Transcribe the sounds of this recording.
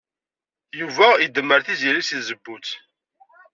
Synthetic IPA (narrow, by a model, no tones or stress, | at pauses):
juvæid̪əmːəɾθiziɾisiθzəbːut͡s